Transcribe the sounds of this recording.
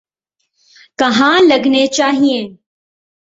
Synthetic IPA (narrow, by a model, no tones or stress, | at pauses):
kɐɦãːlɐɡnet͡ʃaːɦiẽː